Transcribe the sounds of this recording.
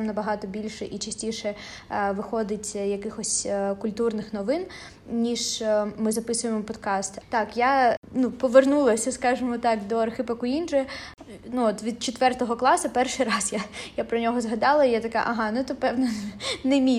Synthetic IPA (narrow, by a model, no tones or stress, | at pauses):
mnɐbɐɦɑt̪ɔbʲilʲʃɛʔit͡ʃɐsʲtʲiʃɛ | ʋɪxɔd̪ɪtʲjɐkɪxɔsʲkʊlʲt̪urnɪxnɔʋɪn | nʲiʒmɪzɐpɪsʊjemɔpɔd̪kɑst̪t̪ɑkjanupɔʋernulˠɐsʲɐskɑʒɪmɔt̪ɑkd̪ɔɐrxɪpɐkʊinʒɛ | nuɔt̪ʋʲid̪̚t͡ʃet̪ʋɛrt̪ɔɦɔklˠɑsɐpɛrʃɪjɾɑzjajapɾɔnʲɔɦɔzɦɐd̪ɑlˠɐijat̪ɐka̰ʔɐɦɑnʊt̪ɔpɛwʋnɛnemʲi